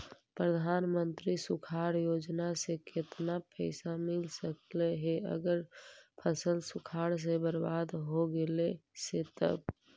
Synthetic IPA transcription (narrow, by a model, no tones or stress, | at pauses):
pɾəd̪ʱanmənt̪ɾisukʰaɾjod͡ʒnasekʰet̪napʰəsamilsəkleɦeə̰ɡəɾpʰəsəlsukʰaɽs̬ebəɾbad̪ɦoɡeleset̪ə̰b